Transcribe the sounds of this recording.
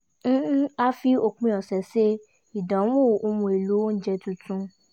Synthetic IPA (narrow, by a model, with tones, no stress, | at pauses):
ñ̩˦a˧fi˧o˨k͡pĩ˧˦ɔ˨sɛ˨se˦ | i˨dɔ̃˨˦wũ˦˨o˧mũ˧e˨lu˨˦o˦n̩˦d͡ʒɛ˧tũ˧tũ˧